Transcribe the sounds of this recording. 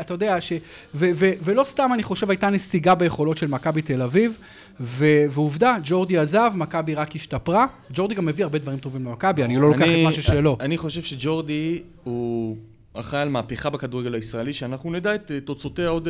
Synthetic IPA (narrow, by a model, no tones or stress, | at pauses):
atajo̞deaʃe | vevevelo̞st̪amaniχo̞ʃe̞vajtanesiɡabeje̞χo̞lo̞tʃe̞lmakabit̪elaviv | veveuvdad͡ʒo̞ʁd̪iazavmakabiʁakiʃtapʁa | d͡ʒo̞ʁd̪iɡamːe̞viaʁbe̞d̪vaʁimt̪o̞vimlemakabianilo̞lokχemaʃuʃelo̞aniχo̞ʃe̞vʃed͡ʒo̞ʁd̪i | hu | a̰χaalmaːpeχabekad̪uʁeɡelaisʁaeliʃeanaχnunedaet̪tot͡so̞teaod